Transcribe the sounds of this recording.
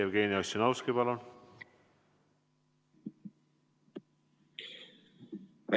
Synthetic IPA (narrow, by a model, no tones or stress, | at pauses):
evɡe̞ːniosjonɑwskipɑlun